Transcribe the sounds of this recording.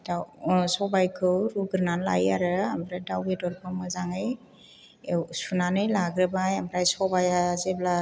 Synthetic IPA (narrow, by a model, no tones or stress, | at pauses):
dasɔbajkʰɯwɾuɡɯɾnanla̰jaɾɯambɾajdawɡedɔɾpʰɯmɯzaŋɯj | sunanɯjlaɡɾɯbajambɾajsɔbajazebla